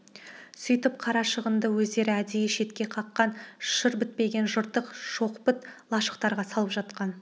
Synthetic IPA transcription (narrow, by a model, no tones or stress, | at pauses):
sʏjt̪ɪp̚qʰɑɾɑʃəʁənd̪əwɵzd̪e̞ɾɪæd̪ejeʃe̞t̪kʲe̞qʰɑqːɑnʃəɾbɪt̪̚pe̞ɡʲe̞nʒʊɾt̪ːəqʃo̞qpɪt̪lˠɑʃə̥qt̪ɑɾʁɑsɑlˠəpʒɑt̪qɑn